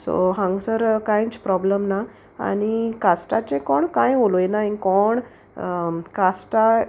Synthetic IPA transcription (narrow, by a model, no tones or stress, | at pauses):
so̰ɦãŋɡsəɾkãjt͡spɾɔbləmna | a̰ɽ̃ikasʈat͡ɕekoɳkãjɦoloenaĩkɔɳ | kasʈa